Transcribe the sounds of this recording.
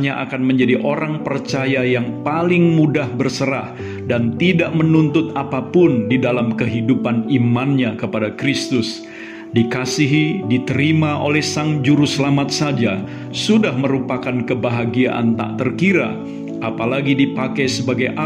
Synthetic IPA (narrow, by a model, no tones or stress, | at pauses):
ɲaʔa̰kanməɲd͡ʒadiʔoɾaŋpərt͡ʃajajaŋpalɪŋmudahbərsəɾa̰h | dant̪idaʔmənunt̪ʊt̪̚apapʊndidalamkəɦidupanimanɲakəpadakɾist̪ʊs | dikasiɦidit̪əɾimaʔo̰lɛhsaŋd͡ʒuɾusəlamat̪̚sad͡ʒa | sudahməɾupakankəbaɦaɡiaʔa̰nt̪a̰ʔt̪ərkiɾa̰ | ʔapalaɡidipakɛjsəbaɡajʔa